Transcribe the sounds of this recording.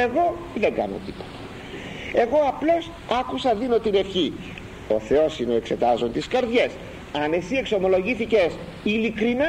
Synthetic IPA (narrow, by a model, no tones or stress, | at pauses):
e̞ɣo̞ | ðe̞ŋɡɐ̰no̰t̪i̥po̞̥t̪ɐ̥ | e̞ɣo̞ɐplo̞s | ɐkusɐðino̞t̪ine̞fçi | oθe̞o̞sino̞e̞kse̞t̪ɐzo̞nt̪iskɐɾðʝe̞s | ɐne̞sie̞kso̞mo̞lo̞ʝiθice̞s | ilikɾinɐ